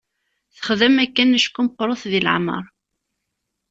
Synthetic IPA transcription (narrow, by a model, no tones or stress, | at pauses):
θə̥χðəmækːænəʃkːʊmqːɾˤoθðilə̰ʕmə̰ɾˤ